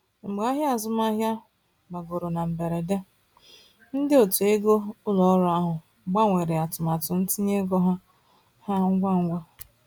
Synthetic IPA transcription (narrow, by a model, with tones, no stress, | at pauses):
ŋ͡m̩˨ɡ͡ba˦ɦja˦a˨zʊ˦ma˦ɦja˦ | ɡ͡ba˨ɡo˨ɾo˨na˨m̩˨be˨ɾe˨de˦ | n̩˦dɪ˦o˨tu˨e˦ɡo˦ʊ˦lɔ˨˦ɾa˦ɦʊ˨ | ɡ͡ba˦ŋʷe˨ɾe˨a˨tʊ˨ma˨tʊ˨n̩˦ti˦ɲe˦ɡɔ˦ɦa˦ | ha˦ŋ̩˦ɡʷa˦ŋ̩˦ɡʷa˦